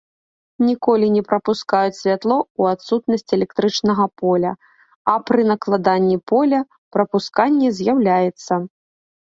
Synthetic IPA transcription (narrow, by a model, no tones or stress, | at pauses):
nʲikɔlʲinʲɛpɾɐpuskajut͡sʲsʲvʲat̪lˠɔuat̪sut̪nɐsʲt͡sʲɛlʲɛk̚t̪ɾɨt͡ʂnɐɣɐpɔlʲɐ | ɐpɾɨnɐklˠad̪anʲːipɔlʲɐ | pɾɐpuskanʲːɛzʲjawlʲajɛt̪sːɐ